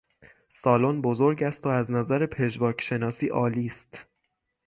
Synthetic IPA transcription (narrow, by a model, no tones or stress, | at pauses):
sɒːlonbo̞zoɾɟæst̪oæznæzæɾepʰe̞ʒvɒːcʰʃe̞nɒːsiːʔɒːliːst̪